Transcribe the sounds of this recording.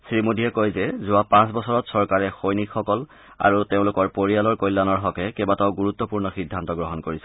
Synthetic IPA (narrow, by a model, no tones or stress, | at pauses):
sɹimodʱijɛkojzɛzʊapãs̬bɔsɔɹɔtsɔɹkaɹɛxojnikxɔkɔl | a̰ɹuteʊ̃lʊkɔɹpoɹialɔɹkojlːanɔɹɦɔkɛkɛbatɔʊɡuɹut̪ːɔpuɹnɔxidʱːantɔɡɹɔɦɔnkoɹisɛ̥